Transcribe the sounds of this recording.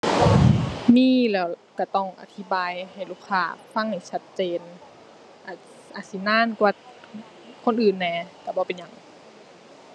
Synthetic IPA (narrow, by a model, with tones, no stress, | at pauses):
miː˧˥˨lɛː˧˩wka˧˩t̪ɔ˧˩ŋʔa̰˧˩t̪ʰi˧˦baː˨jha˨˩jluː˧˩kʰːaː˧˩˨fa˧˥˨ŋha˨˩jt͡ɕʰa˧t̪̚t͡ɕeː˨n | ʔa˧˩ | ʔa˧˩si˧˦naː˧˥˨nkwaː˧ | kʰo˧˥˨nʔɯː˨˩˨nːɛː˧˩ka˧˩bɔː˧˦pe˨nɲa˧˩˨ŋ